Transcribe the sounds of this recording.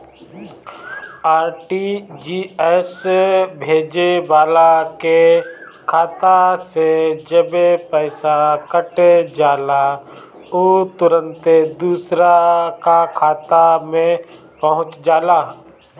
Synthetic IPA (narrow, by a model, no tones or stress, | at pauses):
aːɾʈid͡ʒiːɛsbʱeːd͡ʒebaːlakekʰaːt̪ased͡ʒəbepəɪsakəʈed͡ʒaːla | ot̪ʊɾə̃nt̪d̪uːsɾakakʰaːt̪amẽ | pəɦʊ̃t͡ʃd͡ʒaːlaː